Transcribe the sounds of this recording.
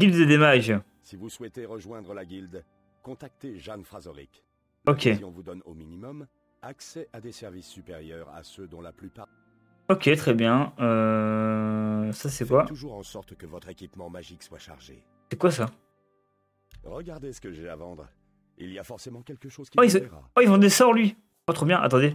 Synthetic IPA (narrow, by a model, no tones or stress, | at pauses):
d̪ipd̪əd̪emaʒ | sivuswɛt̪eʁəʒwɛ̃d̪ʁəlaɡʲild̪ | kɔ̃t̪ak̚t̪eʒanfχazɔʁḭk | ɔkʲeiɔ̃vud̪ɔno̰minimɔm | aksɛʔad̪esɛʁvisːypeʁjœʁa̰sød̪ɔ̃laplypa | ɔkʲet̪χɛbjɛ̃ø | sasɛkwat̪uʒuʁɑ̃sɔʁt̪kəvɔt̪χekʲipmɑ̃maʒikswaʃa̰ʁʒḛ | sɛkwasa | ʁəɡaʁd̪esə̥kəʒɛa̰vɑ̃d̪ʁ | ḭliafɔʁsemɑ̃kʲɛlkəʃoz̥kiaisʁa̰aivɑ̃d̪esɔʁlɥi | pat̪χobjɛ̃ʔa̰t̪ɑ̃d̪e